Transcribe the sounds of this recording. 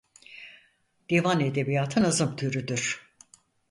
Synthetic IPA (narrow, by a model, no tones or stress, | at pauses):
d̪̥evane̞d̪e̞bijaːt̪ʰɯnazɯmt̪ʰyɾyd̪yɾ̥